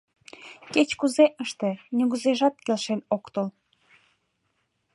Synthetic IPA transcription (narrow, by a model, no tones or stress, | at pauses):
ket͡ɕkuzeʔəʃt̪enuɣəzeʒɑt̪̚kelʃenokt̪ol